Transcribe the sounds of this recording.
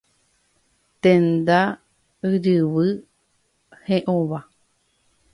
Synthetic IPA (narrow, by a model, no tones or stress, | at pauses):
t̪ẽnd̪a | ɨɾɨβɨ | hẽʔõβa